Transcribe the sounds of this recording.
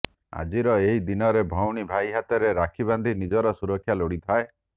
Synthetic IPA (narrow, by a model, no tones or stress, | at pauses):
a̰d͡ʒiɾɔeɦid̪inɔɾebʱɔwɽ̃ibʱajɦat̪ɔɾeɾakʰiβand̪ʱinid͡ʒɔɾɔsuɾɔkʰːjaloɽit̪ʰae